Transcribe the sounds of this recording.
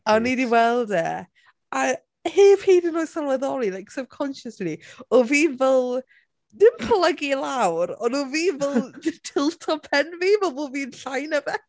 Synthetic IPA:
aɔnidiwɛlˠdɛ | a | heːphiːdɪnɔjsalˠvəðɔlˠilˠajksəb̚kʰɔnʃəsliɔviːvɛlˠ | dɪnpʰləɡilawɾɔnoviːvɛltʰɪlˠtʰɔpʰɛnvivɛlˠboviːənɬajnəvɛ

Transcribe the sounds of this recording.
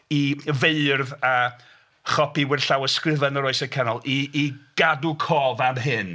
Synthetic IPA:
iveɨrðaə | χɔpiwɪrɬawəskrɪvənəɾɔɨsəkʰənɔlˠiːɡ̥adukʰɔːvanɦɨn

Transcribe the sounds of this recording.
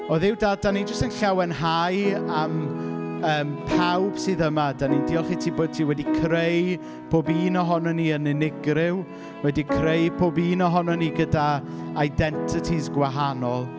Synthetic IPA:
ɔðɪwdadanind͡ʒəstənɬɛwɛnɦajam | əːmpʰawb̥sɨːðəmadanindiːɔlˠχiːtʰiːboːd̚tʰiːwɛdikʰrej | pʰoːbiːnɔɦɔnɔniːənɪnɪɡrɪw | wɛdikʰrejbʰoːbiːnɔɦɔnɔniɡəda | ajdɛntʰɪtʰizɡwaɦanɔlˠ

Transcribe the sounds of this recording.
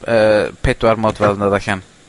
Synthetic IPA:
əːpʰɛdwaɾmɔdvɛlˠnəðaɬan

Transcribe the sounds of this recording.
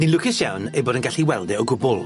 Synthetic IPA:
nilʊkʰɪsjawnejboːdənɡaɬiwɛlˠdɛɔɡʊbʊlˠ

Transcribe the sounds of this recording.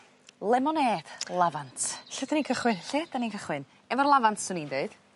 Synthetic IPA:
lˠɛmɔneːd̥lˠavantʰɬɪdanikʰəχwɨnɬeːd̥anikʰəχwɨn | ɛvɔrlˠavantʰsʊnindeɨd̥

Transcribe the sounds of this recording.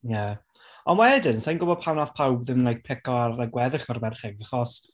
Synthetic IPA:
ja | ɔnwɛdɪnsajnɡʊbɔd̚pʰawnaθpʰawbðɪmnajk̚pʰɪkɔaɾaɡwɛðɪχɔrbɛrχɛɡəχɔst

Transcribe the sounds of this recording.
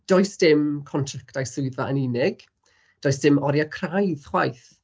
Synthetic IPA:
d̥ɔjsd̥ɪmkʰɔntʰraktajsʊɨðaəninɪɡ̥ | d̥ɔjsd̥ɪmɔɾjakʰrajðχwa̰jθ

